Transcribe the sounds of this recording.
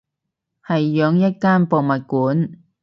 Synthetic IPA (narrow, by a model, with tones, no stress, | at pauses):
hɐ˨jːœː˨˧ŋjɐ˥t̚kaː˥npo˨wmɐ˨t̚kuː˨˥n